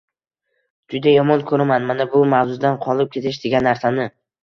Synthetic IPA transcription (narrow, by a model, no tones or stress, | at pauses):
d͡ʒʊd̪ajɒmɒnkʰɵɾamanmanabʊmawzʊd̪anqʰɒlˠɪp̚kʲʰe̞t̪ʰɪʃd̪eɡʲanːaɾsanɪ